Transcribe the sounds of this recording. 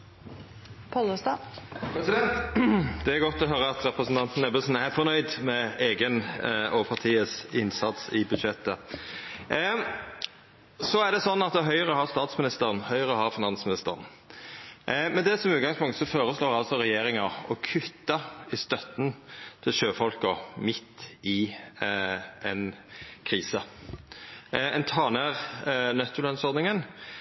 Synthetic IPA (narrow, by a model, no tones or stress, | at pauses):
pʰɔləst̪ɑpʰɾɛsɪd̪ɛnt̪d̪ɛæɾɡɔt̪ːɔɦœɾəɑt̪ɾɛpɾəsn̩t̪ɑnt̪nɛbəlsn̩æɾfɔnœʏd̪mɛeːɡənɔpʰɑʁt̪ʰiːəsɪnsɑt̪sɪbʉd̪ʃɛt̪ːə | sɔæʁd̪ɛsɔnːɑt̪̚d̪ɛɦœʏəɾəɔhɑst̪ɑːt̪smɪnɪst̪əʁənhœʏəʁəɔhɑɾfɪnɑnsmɪnɪst̪ə̰ʁən | mɛd̪ɛsɔmʉːt̪ɡɑŋspʊŋkt̪sɔfoːʁəsloːʁɑlsɔɾɛjeːɾɪŋɑɔkʰʉt̪ːɑɪst̪œt̪n̩t̪ʰɪlʃøːfɔlkɔmɪt̪ːɪ | ɛnkʰʁiːsə | ɛnt̪ʰɑːnæːʁnœt̪ːʊlɑnsɔʁd̪nɪŋən